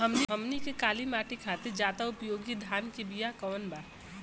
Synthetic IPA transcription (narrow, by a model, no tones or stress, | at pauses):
ɦəmniɦəmnikekaːlimaːʈikʰat̪iɾd͡ʒaːd̪aʊpjoːɡid̪ʱaːnkebijakɔːnbaː